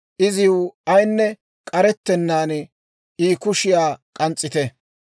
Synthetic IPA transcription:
ʔɪzɪʊɐjnːɛ | kʼɐɾɛt̪ːɛnːaːn | iːkʊʃɪjaːkʼɐnt͡sʼːɪt̪ɛ

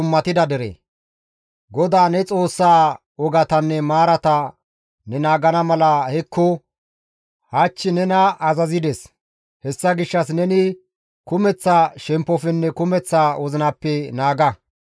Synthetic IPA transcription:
ʊmːɐt̪ɪd̪ɐd̪ɛɾɛ̰ | ɡɔd̪aːnɛt͡sʼo̞ːsːaː | ɔɡɐt̪ɐnːɛmaːɾɐt̪ɐ | nɛnaːɡɐnɐmɐlɐhɛkːɔ | hat͡ʃːɪnɛnɐɐzɐzɪd̪ɛs | hɛsːɐɡɪʃːɐs̬nɛnɪ | kʊmɛt͡sːaːʃɛmpːɔfɛnːɛkʊmɛt͡sːaːwɔzɪnɐpːɛnaːɡɐ

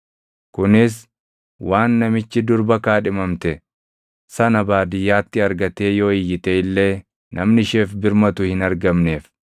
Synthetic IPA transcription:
kʊnɪs̬ | waːnːɐmɪt͡ʃːɪd̪ʊɾbɐkaːᶑɪmɐmt̪ɛ | sɐnɐbaːd̪ɪjːaːt̪ːɪɐɾɡɐt̪eːjo̞ːɪjːɪt̪eɪlːe̞ː | nʔɐmnɪʃeːfbɪɾmɐt̪ʊhɪnɐɾɡɐmne̞ːf

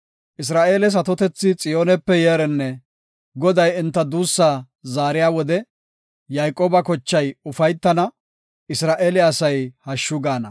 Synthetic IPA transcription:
ʔɪs̬ɾaːʔeːlɛs̬ɐt̪ɔt̪ɛt͡sːɪt͡sʼɪjo̞ːnɛpːɛjeːɾɛnːɛ | ɡɔd̪ɐjɪnt̪ːɐd̪uːsːaː | zaːɾɪjaːwɔd̪ɛ | jajkʼːoːbɐkɔt͡ʃːɐjʊfɐjt̪ːɐnɐ | ʔɪsɾaːʔeːlɛɐsɐjhɐʃːʊɡaːnɐ̰

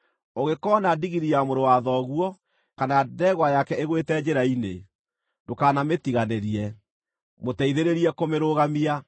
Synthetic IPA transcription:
oɣekɔnadiɣiɾiamoɾowaðɔɣwɔ | kanadɛɣwajakɛeɣwetɛd͡ʑeɾaine | ndokaːnametiɣaneɾiɛ | motɛiðeɾeɾiɛkomeɾoɣamia

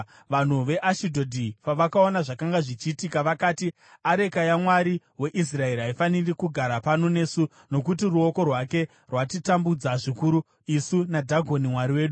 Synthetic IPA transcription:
ʋan̤uʋe̞ʔaʃidʱodʱipaʋakao̞naʐakaŋɡaʐit͡ʃiːtikaʋakaːti | aɾe̞kajamwaɾi | we̞ʔis̬rae̞ɾɦaifanirikuɡʱaɾapano̞ne̞su | no̞kutiruo̞ko̞rwake̞ | rwatitambud͡zaʐikuɾu | isunadʱaɡʱo̞nimwaɾiwe̞ːɗu

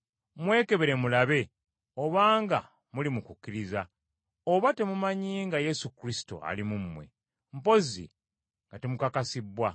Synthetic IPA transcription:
mwe̞ːke̞βeɾe̞mulaβe̞ | o̞βaːŋɡa̰ | mulimukukʲːiɾiza | oβate̞mumaɲiŋɡaje̞sukɾisi̥to̞̰a̰limumːwe̞̰ | m̩po̞zḭ | ŋɡate̞mukakasibwa

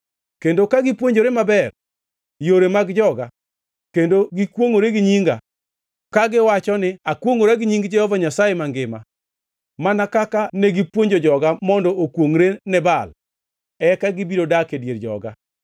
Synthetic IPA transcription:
kendokaɡipwoɲd͡ʒoɾemabɛr | joɾemaɡd͡ʒɔɡa | kendoɡikwoŋoɾeɡɪɲiŋɡa̰ | kaɡɪwat͡ʃɔnɪakwoŋoɾaɡɪɲiŋɡd͡ʒɛhɔvaɲasajemaŋɡɪma | manakakaneɡipwoɲd͡ʒod͡ʒɔɡamɔndɔʔokwoŋɾenɛbal | ɛkaɡibiɾodakedjeɾd͡ʒɔ̰ɡa̰

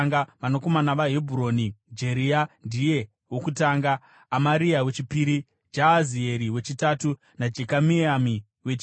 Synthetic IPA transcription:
ŋɡaʋano̞ko̞manaʋaɦebʱuɾo̞ːnid͡ʒe̞ɾiandije̞ | wokutaːŋɡaː | maɾiawe̞t͡ʃipiːɾi | d͡ʒaazie̞ɾiwe̞t͡ʃitatu | nad͡ʒekamiami | wet͡ʃi

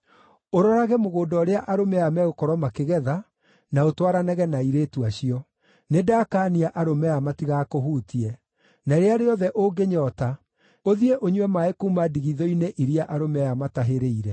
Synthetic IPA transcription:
oɾɔɾaɣɛmoɣoːdɔɾeaʔaɾomɛamɛokɔɾɔmakeɣɛða | naotwaɾanɛɣɛnaiɾeːtuaɕiɔ | nedaːkaːniaʔaɾomɛamatiɣakoɦuːtiɛ | naɾeaɾeɔðɛʔoɡeɲɔːta | oðieʔoɲwɛmaekumadiɣiðɔineʔiɾiaʔaɾomɛjamataɦeɾeiɾɛ

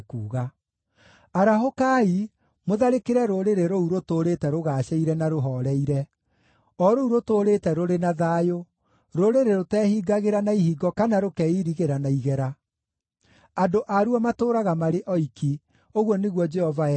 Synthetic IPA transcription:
kuːɣa | aɾaɦokai | moðaɾekeɾɛɾoɾeɾeɾouɾotoɾetɛɾoɣaːɕɛiɾɛnaɾoɦɔɾɛiɾɛ | ɔɾouɾotoːɾetɛɾoɾenaðaːjo | ɾoɾeɾeɾotɛːhiːɡaɣeɾanaihiɡɔkanaɾokɛiɾiɣeɾanaiɣɛɾa | adoʔaɾuamatoːɾaɣamaɾeʔɔiki | oɣwɔneɣwɔd͡ʒɛhɔva

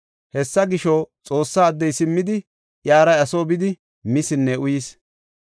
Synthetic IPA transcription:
hɛsːɐɡɪʃɔt͡sʼo̞ːsːaːd̪ːɛjsɪmːɪd̪ɪ | jaːɾɐjɐsoːbɪd̪ɪ | mɪsɪnːɛʊjis

